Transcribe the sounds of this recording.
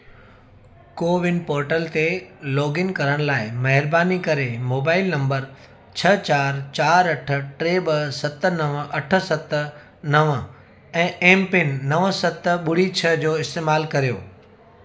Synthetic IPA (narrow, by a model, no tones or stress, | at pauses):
koːʋɪnpoːɾʈəlt̪elɔːɡɪnkɐɾəɽ̃laːɪmɐɦɪɾbaːnikɐɾemoːbaːɪlnɐ̃mbəɾ | t͡ɕʰɐt͡ɕaːɾt͡ɕaːɾɐʈʰə̆ʈɾeːbəsɐt̪ə̆nɐʋɐʈʰə̆sɐt̪ | nɐʋ | ɛ̃ːʔẽːmpɪnːɐʋsɐt̪ɓʊɽ̤it͡ɕʰɐd͡ʑoːɪst̪eːmaːlkɐɾijo̰ː